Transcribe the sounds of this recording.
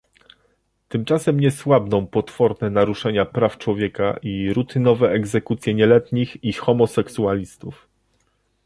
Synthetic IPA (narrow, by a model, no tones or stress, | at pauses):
t̪ɘmt͡ʂasɛmɲɛswabnɔ̃w̃pɔt̪fɔɾnɛnaɾuʂɛɲapɾaft͡ʂwɔvʲjɛka̰ʔiɾut̪ʰɘnɔvɛɛɡzɛkut̪sʲjɛɲɛlɛt̪ɲixixɔmɔsɛksualʲist̪uf